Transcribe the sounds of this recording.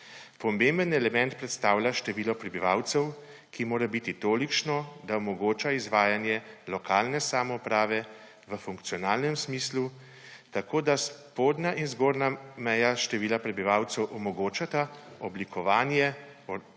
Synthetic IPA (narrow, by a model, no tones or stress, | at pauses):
pɔmembənɛlɛmɛnt̪̚pɾɛt̪st̪aːwlʲjaʃt̪ɛʋiːlɔpɾɛbiʋaːwt̪sɛw | kimoːɾabit̪it̪oːlikt͡ʃnɔd̪aɔmɔɡoːt͡ʃaizʋaːjanjɛlɔkaːlnɛsaːmɔupɾaːʋɛ | ʋəfuŋkt̪sijɔnaːlnɛmsmiːslu | t̪akoːd̪aspoːd̪naʔinzɡoːɾnamɛjaʃt̪ɛʋiːlapɾɛbiʋaːwt̪sɛwʔɔmɔɡoːt͡ʃat̪aɔblikʰɔʋaːnjɛ | ɔ